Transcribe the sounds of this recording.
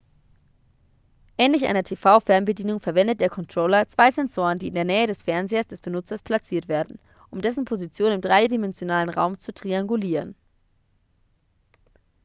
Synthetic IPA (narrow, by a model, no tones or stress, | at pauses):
ʔɛːnlɪçʔa̰ɪnɐtʰeːfaʊfɛɐmbədiːnʊŋfɛɐvɛndət̚d̥eːɐkʰɔntʁ̥oːlɐt͡sv̥aɪzɛnzoːʁəndiːɪndeːɐnɛːədɛsfɛɐnzeːɐsd̥ɛsb̥ənʊt͡sɐspʰl̥at͡siːɐtv̥eːɐdn̩ | ʔʊmdɛsn̩pʰozit͡sjoːnɪmdʁaɪdimɛnzjonaːlənʁa̰ʊmt͡sutʁ̥iaŋɡuliːʁən